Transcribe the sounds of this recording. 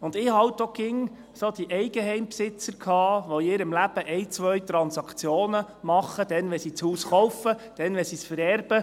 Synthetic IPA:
ʊnd̪ɪːhɑltokɪŋ | sod̥̪iʔɛɪɡəɦɛɪmpsɪt͡səɾkʰɑːʋoɪːɾəmlæb̥əʔɛɪt͡sʋœɥt̪ɾɑnsɑkt͡sjoːnə | mɑχːəd̥̪ɛnʋɛsit͡shuːsχɔwfəd̥ɛnʋɛsisfəɾɛrb̥ə

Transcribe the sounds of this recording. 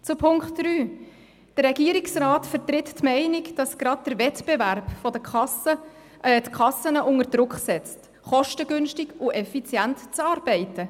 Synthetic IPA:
t͡supʰʊŋkχtdryː | d̥əɾɛɡ̥iːəɾiksrɑːtfəɾtɾɪttmɛɪnɪkd̥ɑsɡ̥ɾɑd̚dəɾvɛtb̥eværpfɔdəɑsə | tkʰɑsənəʔʊŋəɾd̥ɾʊkχsɛt͡st | χɔʃtəɡʏnʃtɪɡʊʔɛfit͡sjæntt͡sɑːɾb̥ɛɪtə

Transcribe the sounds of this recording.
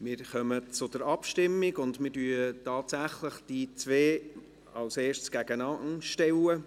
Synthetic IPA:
mɪːɾχœmət͡sʊd̥̪əɾɑpʃtɪmːɪɡʊndmɪːɾdyːətɑːtsæχləχd̥it͡sʋeː | ɑwseːʃtsɡ̥æɡənɑnʃtɛwə

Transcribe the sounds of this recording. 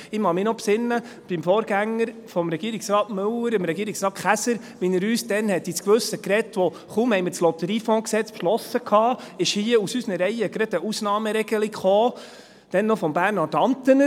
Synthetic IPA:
ɪmɑmɪnɔpsɪnːə | b̥imfoːɾɡ̥æŋːəɾfɔmɾɛɡ̥iəɾiksɾɑːtmɵləɾɪmɾɛɡiːəɾiksɾɑːχæsəɾ | ʋinəɾyːsd̥̪ɛnhɛt̪ːɪt͡skʋɵsːəkɾɛtːʋɔ | χumhɛɪmɪːɾslɔt̪əɾiːfɔ̃ːksɛt͡spʃlɔsəkʰɑːɪʃhiəusysnəɾɛɪəɡɾɑd̥̪əusnɑːməɾɛɡ̥əlikχoː | d̥ɛnːɔfɔmbæːɾnːɔtɑnt̪ənə

